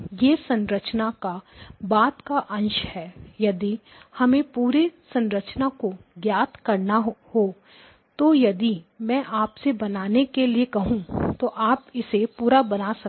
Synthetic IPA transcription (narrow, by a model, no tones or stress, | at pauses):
jeːsɐ̃nɾət͡ʃnakabaːt̪kaʔɐ̃nʃhɛːjɐd̪i | hɐmẽpuːɾesɐ̃nɾət͡ʃnakoɡjaːt̪kɐɾnaɦhoː | t̪ojɐd̪imɛ̃ːʔaːpsebɐnaːnekeliekɐɦũt̪oʔaːpɪsepuːɾabɐnasɐ